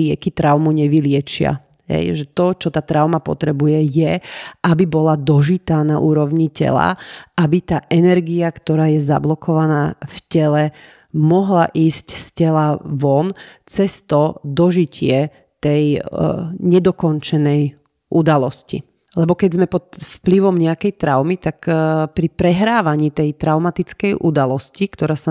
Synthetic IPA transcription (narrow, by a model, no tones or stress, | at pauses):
lɪɛkit̪ɾaʊmuɲɛʋilɪɛt͡ʃɪa̰ | ɦɛ̰jʒɛt̪ɔt͡ʃɔt̪aːt̪ɾaʊmapɔ̰t̪ɾɛbujɛjɛʔabibɔlad̪ɔʒit̪aːnaʔuːɾɔʊɲicɛ̰la̰ʔabit̪aːʔɛnɛɾɡiakt̪ɔɾaːjɛza̰blɔkʰɔʋanaːfcɛlɛ | mɔɦlaʔiːscscɛlaʋɔnt͡sɛst̪ɔd̪ɔʒicɪɛ | t̪ɛj | ɲɛd̪ɔkɔnt͡ʃɛnɛj | ʔud̪alɔscḭ | lɛbɔkɛɟzmɛpɔt̪fpliʋɔmɲɛakɛjt̪ɾaʊmit̪akpɾipɾɛɦɾaːʋaɲiːt̪ɛjt̪ɾaʊmat̪it͡skɛjʔud̪alɔscikt̪ɔɾaːsa